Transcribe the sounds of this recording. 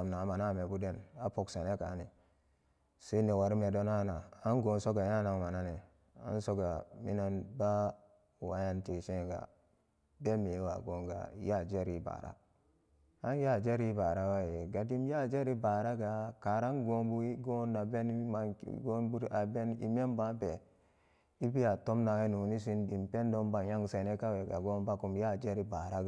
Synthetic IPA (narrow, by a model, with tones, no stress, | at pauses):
a˨mna˨ma˨na˦˨me˨bu˦de˦na˨po˨ksa˨ne˦ka̰˨˦ni˨ | se˦ne˨wa˨ɾi˦me˨do˦na˦na˨a˦nɡo˨nso˦ɡa˨ja˦˨na˨ŋ˨ma˨na˦ne˨ | a̰˦nso˦ɡa˨mḭ˦na˦nba˦ | wa˨ja˦nte˨ʃe˦˨ɡa̰˨ | be˦me˨˦wa̰˨ɡo˦ŋɡa̰˨ja˦˨d͡ʒe˦ɾi˦ba̰ː˨ɾa̰˦ | a˦n˦ja˦˨d͡ʒe˦ɾi˦ba˨ɾa˦wa˦je˨ɡa˨di˦m˦ja˦˨d͡ʒe˦ɾi˦ba˨ɾa˦ɡa˨ka˨ɾa˦nɡo˦mbu˦i˦ɡo˦na˨be˦n˦ma̰˦ɡo˦nbu˦ɾa˨be˦nḭ˨me˦mba˦be˨ | i˦bi˦a˨to˦mna˨we˦nu˨ni˦s̬i˦ndi˨mpe˦n˦do˦mba˨ja˦ŋse˨ne˦ka˦we˨ɡa̰˨ɡo˦nba˦ku˨mja˦˨d͡ʒe˦ɾi˦ba˨ɾa˦ɡ